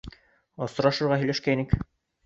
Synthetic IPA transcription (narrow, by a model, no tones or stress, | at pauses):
ɑsŏɾɑʃɤ̆ɾʁɑɦɵ̆jlæʃkæinɘk